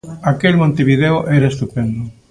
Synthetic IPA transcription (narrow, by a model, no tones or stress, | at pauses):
akelmõnt̪eβiðeoʔɛɾɐest̪upɛnd̪ʊ